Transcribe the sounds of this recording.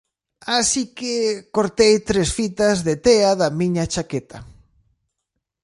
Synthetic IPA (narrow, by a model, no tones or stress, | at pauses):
asikekoɾt̪ejt̪ɾesfit̪ɐzðet̪eaðɐmiɲat͡ʃaket̪ʰɐ